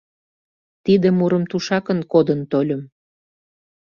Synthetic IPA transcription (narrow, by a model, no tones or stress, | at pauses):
t̪id̪emuɾə̆mt̪uʃɑkənkod̪ənt̪olʲə̆m